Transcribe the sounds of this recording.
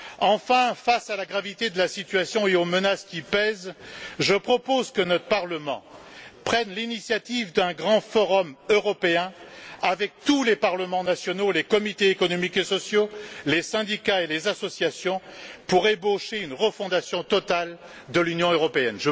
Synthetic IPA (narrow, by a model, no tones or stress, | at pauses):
ɑ̃fɛ̃fasalaɡʁavit̪ed̪əlasit̪ɥasjɔ̃eomənaskʲipɛzʒəpχɔpozkənɔt̪χəpaʁləmɑ̰̃pχɛnlinisjat̪ivd̪ɛ̃ɡʁɑ̃fɔʁɔmøʁɔpeɛ̃avɛk̚t̪ulepaʁləmɑ̃nasjɔnolekɔmit̪eːkɔnɔmikesɔsjolesɛ̃d̪ikaelezasɔsjasjɔ̃puʁeboʃeynʁəfɔ̃d̪asjɔ̃t̪ɔt̪al | d̪əlynjɔ̃øʁɔpeɛnʒə